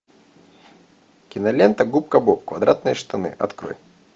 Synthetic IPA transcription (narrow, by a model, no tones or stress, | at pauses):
kʲɪnɐlʲent̪əɡup̚kəbop̚kvɐd̪ɾat̪̚nɨjəʂt̪ɐnɨ̰ʔɐ̰t̪kɾo̰j